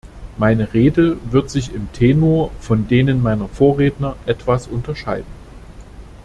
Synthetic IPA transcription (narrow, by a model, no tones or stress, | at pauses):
maɪnəʁeːdəvɪɐtz̥ɪçɪmtʰeːnoːɐfɔndeːnənmaɪnɐfoːɐʁeːtnɐʔɛtv̥asʔʊntɐʃaɪdn̩